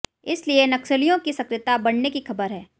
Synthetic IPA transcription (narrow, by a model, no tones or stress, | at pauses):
ɪslienɐkʃəlijõkisɐkɾɪt̪abɐɽnekixɐbəɾɦɛː